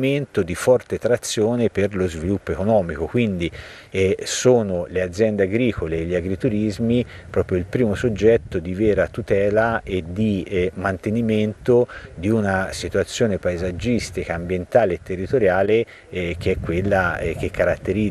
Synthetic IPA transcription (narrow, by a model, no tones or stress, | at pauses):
ment̪od̪ifɔrt̪et̪ɾat̪sːjoːneperlozvilupːoekonɔːmikokwind̪i | soːnolead̪zːjɛnd̪eaɡɾiːkoleʎːiaɡɾit̪uɾizmi | pɾɔːpɾjoilpɾiːmosod͡ʒːɛt̪ːod̪ivɛːɾat̪ut̪ɛːlaed̪imant̪eniment̪od̪iunasit̪uat̪sːjoːnepaezad͡ʒːist̪ikaːmbjent̪aːleːt̪ːerːit̪oɾjaːle | k̟eɛkːwelːak̟ekːaɾat̪ːeɾi